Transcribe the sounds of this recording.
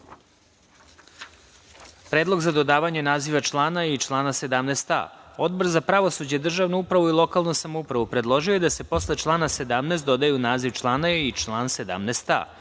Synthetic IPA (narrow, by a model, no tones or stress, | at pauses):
pɾeːd̪lˠo̞ɡzad̪o̞d̪aːʋaɲenaːziʋat͡ʃlˠaːnait͡ʃlˠaːnase̞d̪amneːst̪a̰o̞d̪bo̞ɾzapɾaʋo̞sud͡ʑed̪r̩ʒaʋnuupɾaʋuilˠo̞kaːlˠnusamoupɾaʋupɾe̞d̪lˠo̞ʒijojed̪ase̞po̞sle̞t͡ʃlˠaːnase̞d̪amneːst̪̚d̪o̞d̪ajunaːziʋt͡ʃlˠaːnait͡ʃlˠaːnse̞d̪a̰mneːst̪a̰